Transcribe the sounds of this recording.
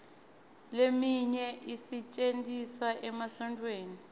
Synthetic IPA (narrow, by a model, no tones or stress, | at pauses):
lemiɲɛʔisit͡ʃʼentʼiswaʔɛmasɔntʼweːni